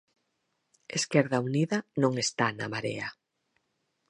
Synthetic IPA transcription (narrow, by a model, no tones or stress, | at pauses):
eskɛɾðauniðɐnõŋest̪ana̰maɾḛa